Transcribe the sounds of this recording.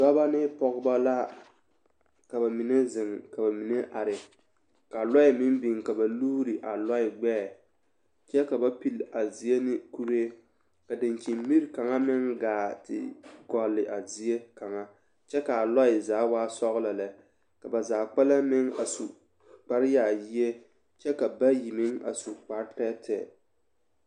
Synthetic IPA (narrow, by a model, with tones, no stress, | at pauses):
da˦ba˦nɪ˦pɔ˦ɣba˦la˦ | ka˨ba˨mi˨ne˦zɪ˨ŋka˨ba˨mi˨ne˦ʔa˨ɾɪ˨ | ka˨lɔ˦ɪ˨mɪ˦m˦bi˨ŋ˨ka˨ba˨luː˦ɾi˨ʔa˨lɔ˦ɪ˨ɡ͡bɛː˦˨ | t͡ʃɛ˦ka˨ba˦pi˨la˨zi˨e˦nɪ˦ku˦ɾe˦ | ka˨dɪ˨nt͡ʃi˨mmi˦ɾka˨ŋa˦mɪ˦ŋɡaː˨˦tʰɪ̰˨ɡɔ˨lːɪ˨ʔa˨zi˨e˦ka˨ŋa˦ | t͡ʃɛ˦ka˨a˨lɔ˦ɪ˨zaː˨˦waː˦sɔ˦ɣla˨la˨ | ka˨ba˨zaː˨k͡pɛ˦la˦mɪ˦ŋa̰˨su˨ | k͡pa˦ɾɪ˦jaː˨ji˦e˦ | t͡ʃɛ˦ka˨ba˦ji˨mɪ˦ŋa̰˨su˨k͡pa˨ɾtɛ˦tʰɛ̰˨